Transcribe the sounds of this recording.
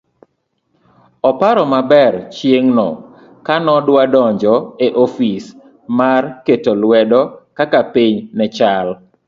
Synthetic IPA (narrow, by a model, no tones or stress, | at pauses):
ɔpaɾɔmabɛrt͡ʃjeŋnɔ | kanɔdwadɔɲd͡ʒɔeʔofis | marketolwɛdɔkakapiɲnɛt͡ʃal